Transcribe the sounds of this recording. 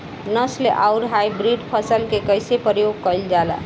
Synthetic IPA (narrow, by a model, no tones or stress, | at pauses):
nəsleʔaʊɾɦajbɾiɖpʰəsəlkekəjsepɾjoɡ̚kəjld͡ʒala̰